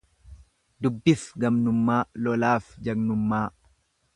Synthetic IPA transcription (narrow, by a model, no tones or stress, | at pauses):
d̪ʊbːɪfɡɐmnʊmːaːlɔlaːfd͡ʒɐɡnʊmːaː